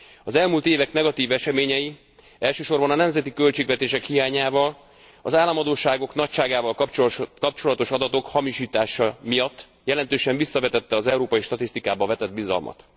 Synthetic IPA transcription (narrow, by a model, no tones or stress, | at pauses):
ɒzɛlmuːlt̪eːvɛknɛɡɒt̪iːvɛʃɛmeːɲɛji | ɛlʃøːʃo̞rbɒnɒnɛmzɛt̪ikø̞lt͡ʃeːɡvɛt̪eːʃɛkhijaːɲaːvɒl | ɒzaːlːɒmɒd̪oːʃaːɡo̞knɒcʃaːɡaːvɒlkkɒp̚t͡ʃo̞lɒt̪o̞ʃɒd̪ɒt̪o̞khɒmiʃiːt̪aːʃɒmijɒt̪ː | jɛlɛnt̪øːʃɛɱvisːɒvɛt̪ɛt̪ːɛɒzɛuɾoːpɒjiʃt̪ɒt̪ist̪ikaːbɒvɛt̪ɛd̪̚bizɒ̰lmʔɒ̰t̪